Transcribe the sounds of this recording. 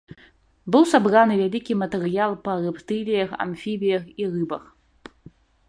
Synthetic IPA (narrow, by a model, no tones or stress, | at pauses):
bɨwsabranɨvʲalʲikʲimɐt̪ɛɾɨjalˠpɐrɨpt̪ɨlʲijɐxa̰mfʲibʲijɐxirɨbɐx